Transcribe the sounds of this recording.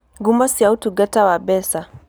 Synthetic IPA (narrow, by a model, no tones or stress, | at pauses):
ɡumasiautuɡatawaɓɛsa